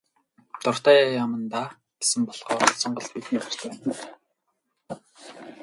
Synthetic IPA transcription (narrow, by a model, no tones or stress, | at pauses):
t̪ʊr̥t̪aːjaːjamə̆nt̪aː | ɡ̥e̥sɘ̆mpɔɮ̥ʁɔːsɔɴɢə̆ɮpit̪niːɢar̥t͡ɕæːn